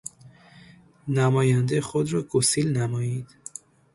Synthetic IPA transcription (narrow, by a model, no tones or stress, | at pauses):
næmɒːjænd̪exod̪ɾɒːɡosiːlnæmɒːjiːd̪̥